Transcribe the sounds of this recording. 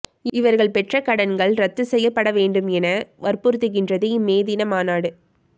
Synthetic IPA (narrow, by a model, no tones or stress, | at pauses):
ɪʋɐɾɣɐɭpɛʈrɐkɐɽɐnɡɐɭɾɐt̪ːɯsɛjːɐpːɐɽɐʋeːɳɖɯmɛnɐʋɐɾpuːɾt̪ːɯɣɪndrɐðɯmeːðɪnɐmaːnaːɽɯ